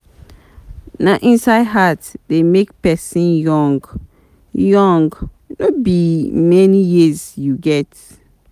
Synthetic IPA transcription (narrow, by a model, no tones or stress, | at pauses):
naʔĩnsaɪdɦatdemek̚pɛsĩnjɔ̃ŋɡ | jɔ̃ŋɡ | nobimɛnijizjuɡɛt